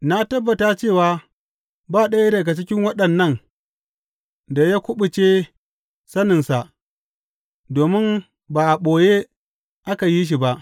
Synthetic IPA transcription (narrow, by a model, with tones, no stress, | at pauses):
na˦tɐ˦bːɐ˨ta˦t͡ʃeː˦˨waː˦ | baː˦˨ɗɐ˦ja˦ɾa˨ka˨t͡ʃɪ˦kʲɪ˦ŋwɐ˦ɗɐ˨nːɐ˦˨n | da˨jaː˦kʷʊ˦ɓʊ˨t͡ʃeː˦ | sɐ˦nɪ˨nsa˨ʔ | doː˨mɪ˦m | baː˨ʔa˨ɓoː˨je˦ | ʔa˦ka˨ji˦ʃ̬i˨ba˦ʔ